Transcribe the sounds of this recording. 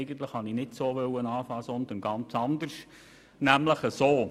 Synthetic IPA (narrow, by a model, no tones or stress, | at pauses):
ɪɡən̩t̪ləχhɑninɪtsoːʋœwːənɑːfɑːsɔnd̪ənɡɑnt͡sɑnd̪əʃ | næmləχəsoː